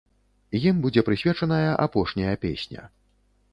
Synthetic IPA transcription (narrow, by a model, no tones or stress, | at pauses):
jimbud͡zʲɛpɾɨsʲvʲɛt͡ʂɐnɐjɐʔapɔʂnʲɐjɐpʲḛsʲnʲɐ̰